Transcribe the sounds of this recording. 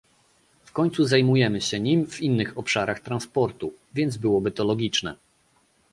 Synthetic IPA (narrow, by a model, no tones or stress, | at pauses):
fkɔɲt̪suzajmujɛmɘɕɛɲimvinːɘxɔpʂaɾaxt̪ɾanspɔɾt̪uvʲjɛnd̪zbɘwɔbɘt̪ɔlɔɡʲit͡ʂnɛ̰